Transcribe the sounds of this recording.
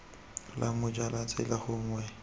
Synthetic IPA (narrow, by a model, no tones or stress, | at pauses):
lʔamʊd͡ʒalat͡sʼɪ̰laχʊŋ̩wɛ